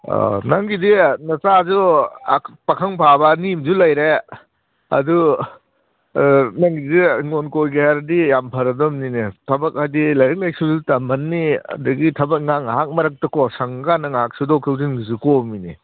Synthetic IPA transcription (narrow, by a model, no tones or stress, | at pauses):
naŋɡidinɐsazu | pɐkʰɐŋpʰabɐnimzulɐjɾe | ɐ̰du | naŋɡidiŋonkojɡaaɾdijampʰɐɾɐdɔmninitʰɐbɐk̚hajdilɐjɾɐk̚lajsuzutamɐnːiɐ̰duɡitʰɐbɐk̚ŋaŋɦak̚mɐɾɐk̚tɐkɔsɐŋɡanɐŋɦak̚sudɔkʰɯwzinɡizukɔminḭ